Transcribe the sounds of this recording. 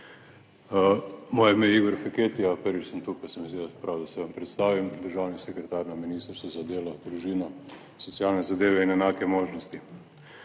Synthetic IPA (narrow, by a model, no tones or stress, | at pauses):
moːjɛmejiɡɔɾfɛkeːt̪ijapəɾʋit͡ʃsəmt̪upasəmʋeseːd̪apɾʔawd̪asɛʋampɾɛt̪st̪aːʋimd̪əɾʒaːwnisɛkɾɛt̪aɾnaminist̪əɾst̪ʋazad̪eːlɔd̪ɾuʒiːnɔ | sɔtsijaːlnɛzad̪eːʋɛinɛnaːkɛmoːʒnɔst̪i